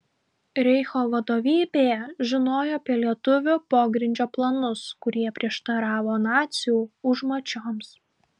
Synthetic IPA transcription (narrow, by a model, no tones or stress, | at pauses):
ɾʲɛɪxoːʋɐd̪oːʋʲiːbʲeːjɛʒʲɪnoːjoːɐpʲiɛlʲiɛt̪ʊʋʲʊpoːɡɾʲɪnʲd͡ʒʲoːplˠɐnʊskʊɾʲiɛpʲɾʲiɛʃt̪ɐɾɑːʋoːnɑːt̪sʲɪjuːʊʒmoːt͡ʃʲoːms